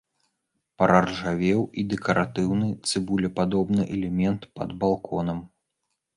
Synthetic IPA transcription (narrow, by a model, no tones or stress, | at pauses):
pɐɾɐrʐavʲɛwid̪ɛkɐɾʔat̪ɨwnɨt̪sɨbulʲɛpad̪ɔbnɨʔɛlʲɛmʲɛnt̪pɐ̰d̪balˠkʰɔnɐm